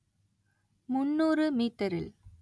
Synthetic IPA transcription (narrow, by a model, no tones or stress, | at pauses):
mʊnːuːrɯmiːt̪ːɐɾɪ̰l